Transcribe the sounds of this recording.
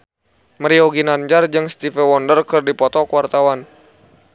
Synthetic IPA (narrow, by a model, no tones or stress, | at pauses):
məɾiɔɡinaɲd͡ʒard͡ʒɨŋst̪ifɛwɔndərkɨrdipɔt̪ɔkuwart̪awan